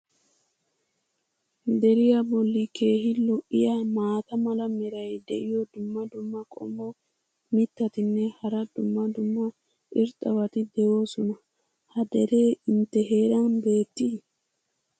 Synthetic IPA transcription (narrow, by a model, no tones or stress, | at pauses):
d̪ɛɾɪjɐbɔlːikʰe̞ːɦɪlɔʔɪjamaːt̪ɐmɐlɐmɛɾɐjd̪ɛʔɪjɔd̪ʊmːɐd̪ʊmːɐkʼɔ̰mːo | mɪt̪ːɐt̪ɪnːɛhɐɾɐd̪ʊmːɐd̪ʊmːɐ | ʔɪɾt̪ʼɐwɐt̪ɪd̪ɛwo̞ːsɔnɐ | hɐd̪ɛɾe̞ːɪnt̪ːɛɦe̞ːɾɐnbe̞ːt̪ːi